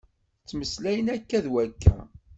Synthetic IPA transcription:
t͡sːməslæjənækːæðwækːæ̰

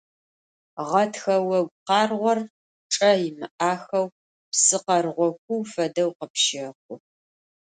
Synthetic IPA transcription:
ʁɐtʰxɐwɐɡʷqɑːrʁʷɔr | ʈ͡ʂʼɐjɪmɨʔaːxɐw | psɨqɐrʁʷɔkʷʰʊwfɐdɐwqəpʃɪqʷʊ

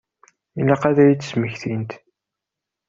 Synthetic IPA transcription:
ilːæqæðæjit͡sːə̥sməçθint̪

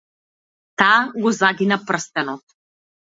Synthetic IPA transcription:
t̪aɡɔzaɡinapr̩st̪ɛnɔt̪

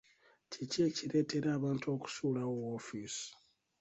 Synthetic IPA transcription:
ciceciɾe̞ːtʰe̞ɾaːβaːnto̞ːku̥suːlawoːfisi̥

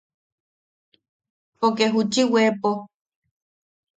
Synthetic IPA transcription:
pokeɦut͡ʃiwepo

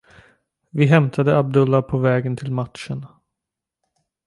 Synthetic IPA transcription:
vɪɦɛmt̪ʰad̪əab̚d̪ɵlːapʰɔvɛːɡənt̪ʰɪlmatʂən

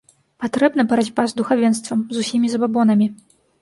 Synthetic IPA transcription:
pat̪ɾɛbnɐpɐɾad͡zʲpazd̪uxavʲɛnst̪vɐmzusʲimʲizɐbabɔnɐmʲi

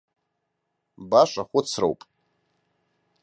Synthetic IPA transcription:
baʃʷʼaχʷʊt͡sʰro̰wpʼ

